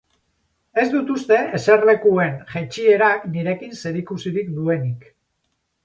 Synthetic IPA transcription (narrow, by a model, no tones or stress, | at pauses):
e̞zd̪ut̪ust̪e̞ʔese̞ɾle̞kue̞nʝat͡ʃie̞ɾakniɾe̞kinse̞ɾikusiɾikd̪ue̞nik